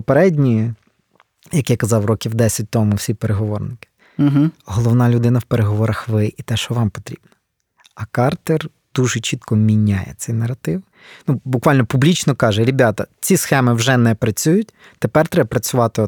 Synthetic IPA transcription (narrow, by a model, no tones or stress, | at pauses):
pɔpeɾɛdʲnʲiji | jɐkjakɐzɑwrɔkʲiwd̪ɛsʲɐt̚ʲt̪ɔmʊwsʲipeɾeɦɔʋɔrnɪkɪ̥ | ɦ̩ɦɔlˠɔwnɑlʲʊd̪ɪnɐwpeɾeɦɔʋɔɾɐxʋɪʔit̪ɛʃɔʋɑmpɔ̥t̪ɾʲib̥nɐ̥ | ɐkɑrt̪ɛr | d̪̥uʒɪt͡ʃit̪kɔmʲinʲajɛ̰t̪t͡s̪ʲɛjnɐɾɐt̪ɪw | nubʊkʋɑlʲnɔpublʲit͡ʃnɔkɑʒɛɾʲɪbʲɑt̪ɐt͡sʲisxɛmɪwʒɛnɛpɾɐt͡sʲujʊt̚ʲ | t̪epɛrt̪ɾɛbɐpɾɐt͡sʲʊʋɑt̪ɪ